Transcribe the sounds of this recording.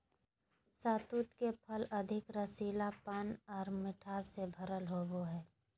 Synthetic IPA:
saːt̪uːt̪kepʰɐlɐd̪ʱɪkɾəsiːlapənɔːɾmɪʈʰaːsebʱɐɾəlɦoːboɦɛː

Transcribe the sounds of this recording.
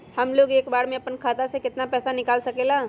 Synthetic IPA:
hɐmloːɡeːkbaːɾmẽɐpənkʰaːt̪asekɪt̪napɛːsanɪkaːlsɐkeːlaː

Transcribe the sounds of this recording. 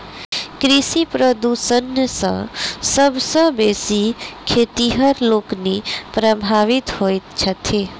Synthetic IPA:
kɾɪsipɾəd̪usənəsə̰̃səbsə̃besikʰeːt̪iɦəɾloːknipɾəbʱaʋit̪ɦojt̪t͡ʃʰət̪ʰe

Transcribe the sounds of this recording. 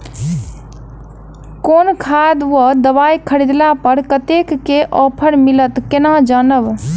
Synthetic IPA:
konkʰad̪wəd̪əbajkʰəɾid̪lapəɾkət̪ekːeʔɔpʰəɾmilət̪kenad͡ʒənəb

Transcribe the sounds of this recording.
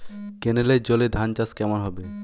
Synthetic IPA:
keneled͡ʑoled̪ʱant͡ɕaskɛmonɦɔbe

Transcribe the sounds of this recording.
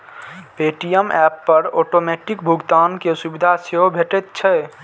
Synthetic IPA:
peʈijəmɛpːəɾɔʈomɛʈikbʱuɡt̪ankesubid̪ʱaseɦobʱeʈɛt̪̚t͡ʃʰɛ

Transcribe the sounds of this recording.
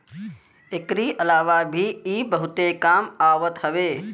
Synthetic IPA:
ekɾiʔəlaːʋabʱiiːbəɦʊt̪ekaːmaːʋət̪ɦɐʋeː

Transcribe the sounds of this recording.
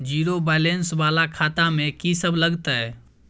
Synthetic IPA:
d͡ʒiːɾobɛːlensʋaːlakʰaːt̪amẽkisəblɐɡt̪aɦɛː

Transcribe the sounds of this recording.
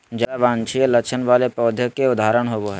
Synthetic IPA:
d͡ʒəaʋãːnt͡ʃʰijəlɐkt͡ʃʰənʋaːlepɔːd̪ʱjəkːeʊd̪ʱaːɾəɽ̃ɦoːboɦɛ

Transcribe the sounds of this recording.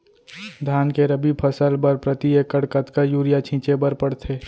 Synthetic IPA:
d̪ʱaːnkeɾəbipʰəsəlbəɾpɾət̪iekəɽkət̪kajuːɾijat͡ʃʰĩːt͡ʃebəɾpəɽt̪ʰeː

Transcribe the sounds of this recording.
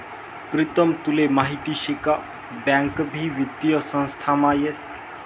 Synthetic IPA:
pɾit̪əmt̪ulemaɦit̪iːɕika | bãŋkbʱiːʋit̪jəsə̃w̃st̪ʰamajes

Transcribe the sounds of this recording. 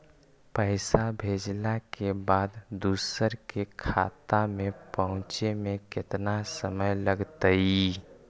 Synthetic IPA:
pəɪsabʱed͡ʒlakebaːd̪d̪uːsəɾkekʰat̪amẽpəɦʊ̃t͡ʃemẽkɪt̪nasəməjləɡt̪əi

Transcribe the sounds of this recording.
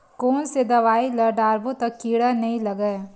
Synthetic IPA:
koːnsed̪ɐʋaːilɐɾɖaːɾbõt̪ɐkːiːɽanɐɦĩlɐɡəe

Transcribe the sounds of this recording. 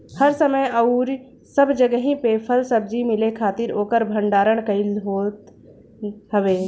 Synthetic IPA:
həɾsəməjɐʊɾ | səbd͡ʒəɡəɦĩpeːpʰəlsəb̚d͡ʒimɪlekʰaːt̪ɪɾoːkəɾbʱə̃ɳɖaːɾəɽ̃kɐilɦoːt̪ | ɦəʋeː

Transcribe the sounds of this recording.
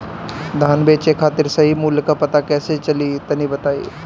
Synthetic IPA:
d̪ʱaːnbeːt͡ʃekʰaːt̪ɪɾsɐɦimuːljkapɐt̪akɛːset͡ʃɐlit̪ɐnibɐt̪aːḭː

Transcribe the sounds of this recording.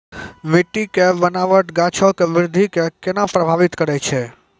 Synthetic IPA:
ʋeʈːikebənaʋəʈɡat͡ʃʰokeʋɪɾd̪ʱikekenãpɾəbʱaʋit̪kəɾet͡ʃʰe

